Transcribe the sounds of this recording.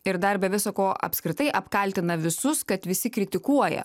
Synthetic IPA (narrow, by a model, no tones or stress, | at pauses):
ɪɾd̪ɐɾbʲɛʋʲɪsoːkoːʔɐ̰pʲskɾʲɪt̪ɐɪʔɐpkɐlʲt̪ʲɪnɐʋʲɪsʊskɐt̪ʋʲɪsʲɪkɾʲɪt̪ʲɪkuɔjɛ̰